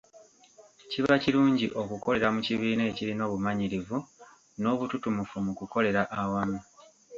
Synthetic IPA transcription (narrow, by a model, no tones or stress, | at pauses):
ciβaciɾuːɲɟiʔo̞kuko̞le̞ɾamuciβiːne̞ːciɾino̞ːβumaɲiɾivu | no̞ːβututumufumukuko̞le̞ɾaʔawama